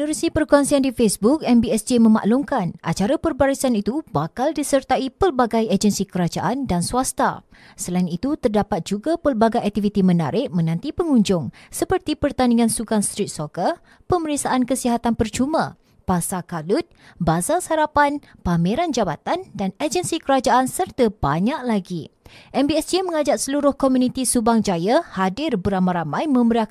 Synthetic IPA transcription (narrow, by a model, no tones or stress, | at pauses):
nəɾusipərkuaŋsiandifesbuk̚ɛmbiɛsd͡ʒemə̃ma̰ʔlʊmkanʔa̰t͡ʃaɾapərbaɾisanit̪ubakaldisərt̪aipəlbaɡajəd͡ʒənsikəɾad͡ʒa̰ʔandansuast̪a̰ | səlainit̪ut̪ərdapat̪̚d͡ʒuɡapəlbaɡajʔak̚t̪ifit̪imə̃na̰ɾɪʔ̚mə̃nãnt̪ipəŋuɲd͡ʒʊŋsəpərt̪ipərt̪aniŋãnsukanst̪ɾit̪̚sokər | pəməɾisaʔankəsiɦat̪anpərt͡ʃumã̰ | pasakalʊt̪̚bazasaɾapanpamĩɾand͡ʒabat̪andanad͡ʒənsikəɾad͡ʒaʔansərt̪əb̥a̰ɲaʔlaɡiʔɛmbiɛsemə̃ŋad͡ʒaʔ̚səluɾʊhkɔmunit̪isubaŋd͡ʒajahadɪrbəɾamaɾamãjmə̃məɾia